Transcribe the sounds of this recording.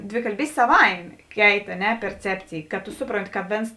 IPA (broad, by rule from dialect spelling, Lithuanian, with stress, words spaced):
dʲʋʲɪkɐlʲˈbʲiːsʲtʲeː sɐˈʋɐɪmʲeː ˈkʲɛɪt ɐ ˈnʲɛ pʲɛrʲˈt͡sʲæːpʲt͡sʲeːj kɐt tʊ ˈsʊproːnʲˌtʲɪ kɐ ˈʋʲeːns